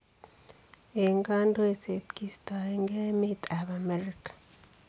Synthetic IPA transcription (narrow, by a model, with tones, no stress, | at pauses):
e˨ŋɡa˦ndo˦e˨se˨t̪ki˦˨st̪a˨e˨ŋɡe˦mi˦t̪ʼa˨βa˨me˦ɾikḁ˨